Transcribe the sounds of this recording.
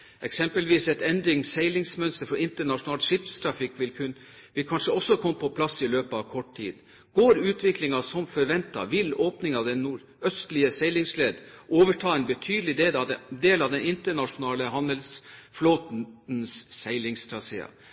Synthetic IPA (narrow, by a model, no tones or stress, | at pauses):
ɛksɛmpəlʋiːsɛt̪ɛnd̪ɾɪŋsæɪlɪŋsmœnst̪əɾfɔɪnt̪əɳɑʂʊnɑːlt̪ʂɪpst̪ʰɾɑfɪkːʋɪlkʰʉ | ʋɪlkʰɑnʂəɔsːɔkʰɔmːəpʰɔpʰlɑsːɪløːpəɑʋkʰɔʈt̪ʰḭːd̪ | ɡ̥oːɾʉːt̪ʰʋɪklɪŋɑsɔmfɔɾʋɛnt̪ɑ̰ʋɪloːpnɪŋɑʋd̪ɛnːuːɾ | œst̪lɪəsɛɪlɪŋsleːd̪ʔoːʋəʈʰɑːɛnbət̪ʰyːd̪əlɪd̪eːld̪eːlɑʋd̪ɛnɪnt̪əɳɑʂʊnɑːləɦɑnd̪əlsfloːt̪nsːæɪlɪŋst̪ʰɾɑsḛːɑ̰